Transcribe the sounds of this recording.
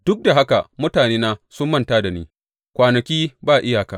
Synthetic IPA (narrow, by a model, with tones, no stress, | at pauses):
d̥ʊ˦k̚da˨ɦa˦ka˨mʊ˦taː˨neː˦naː˦sʊ˦mːɐ˦ntaː˦da˨nḛː˦ | kʷaː˨nɐ˨kʲiː˦baː˦˨ʔɪ˦jaː˨ka̰ː˨ʔ